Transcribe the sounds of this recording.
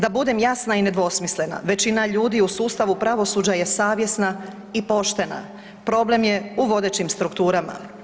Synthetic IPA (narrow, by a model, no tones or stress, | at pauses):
d̪abud̪e̞mjasnaine̞d̪ʋo̞smisle̞na̰ʋe̞t͡ɕinaʎuːd̪iusuːst̪aʋupɾaʋo̞suːd͡ʑaje̞saːʋje̞sna | ipo̞ʃt̪e̞na̰ | pɾo̞ble̞mje̞uʋo̞d̪e̞t͡ɕimst̪ɾukt̪uːɾama̰